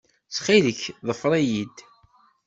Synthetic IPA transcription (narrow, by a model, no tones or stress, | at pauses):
t͡sχiðəçðˤəfɾˤijid̪